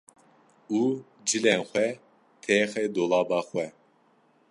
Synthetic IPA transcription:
uː | d͡ʒilɛnxʷɛ | t̪ʰɛːxed̪olˠɑːbɑːχwɛ

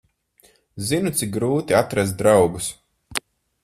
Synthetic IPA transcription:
zinut̪sik̚ɡɾuːt̪iat̪ɾaz̬d̪ɾawɡus

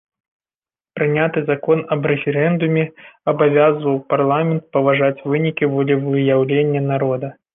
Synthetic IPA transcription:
pɾɨnʲat̪ɨzakɔnɐbɾɛfʲɛɾɛnd̪umʲɛɐbavʲazvɐwparlˠamʲɛnt̪̚pɐvaʐat͡sʲvɨnʲikʲivɔlʲɛvɨjawlʲenʲːɐnaɾɔd̪ɐ

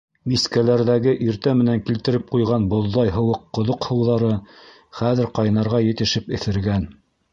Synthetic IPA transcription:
miskælæɾðæɡɘʔiɾt̪æmɘ̆næŋkilt̪ɘ̆ɾɘp̚qujʁɑnbŏðːɑjɦɤ̆wɤqːŏðoqhɤ̆wðɑɾɤ | χæðɘ̆ɾqɑj̆nɑɾʁɑjɘ̆t̪ɘ̆ʃɘpɘ̆θɘ̆ɾɡæn

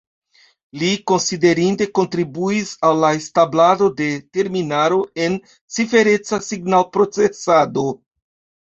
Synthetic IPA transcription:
liko̞nside̞ɾinde̞ko̞ntɾibuisalːaestablado̞de̞te̞ɾminaɾo̞e̞n | t͡sife̞ɾe̞t͡sasiɡnalpɾo̞t͡se̞sado̞

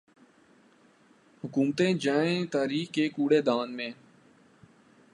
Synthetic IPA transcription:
hʊkuːmt̪ẽːd͡ʒaːẽːt̪aːɾiːxkeːkuːɽeːd̪aːnmẽː

